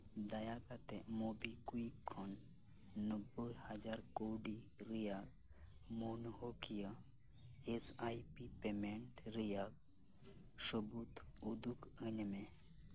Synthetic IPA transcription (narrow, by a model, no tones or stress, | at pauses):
d̪ɐjakat̪emobikuikʰːonː | əbəhɐd͡ʒaɾkoːɖiɾijaɡ | monɦokija | esajipipemeɳʈɾijaɡ̚ | subut̪ud̪ukənmẽ